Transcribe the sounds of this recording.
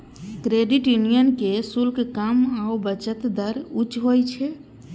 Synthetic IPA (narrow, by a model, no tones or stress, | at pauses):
kɾeɖiʈjunijənkesulkkamaobət͡ʃət̪d̪əɾut͡ʃɦojt͡ʃʰɛ